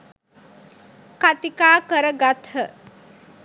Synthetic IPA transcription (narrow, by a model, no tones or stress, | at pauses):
kat̪ikaːkəɾəɡat̪ʰhə